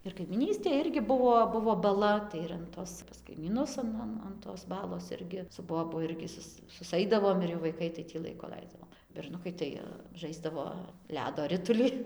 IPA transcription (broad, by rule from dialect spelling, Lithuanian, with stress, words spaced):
ɪr kɐɪmʲiːˈnʲiːsʲtʲeːj ˈɪrʲɡʲɪ ˈbʊʋoː ˈbʊʋoː bɐˈlˠɐ tɐɪ ɪr ɐn ˈtoːs pɐs kɐɪmʲiːˈnʊs ɐn ˈɐn ɐn toːs ˈbɑːlˠoːs ˈɪrʲɡʲɪ sʊ ˈboːbʊ ˈɪrʲɡʲɪ ˈsʊs sʊsˈɐɪdɐʋoːm ɪr jɛʊ ʋɐɪˈkɐɪ tɐɪ ˈtʲiː ˈlˠɐɪkʊ ˈlˠɐɪzdɐʋoːm bʲɛrˈnʊkɐɪ tɐɪ ˈʒɐɪzdɐʋoː ˈlʲæːdoː ˈrʲɪtʊlʲɪ